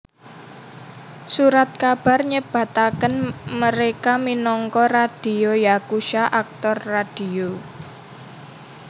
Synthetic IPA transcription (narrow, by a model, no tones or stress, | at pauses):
suɾat̪̚kab̥a̤rɲəb̥a̤t̪akənməɾekaminɔŋkɔrad̥i̤ojakuʃaʔak̚t̪ɔrːad̥io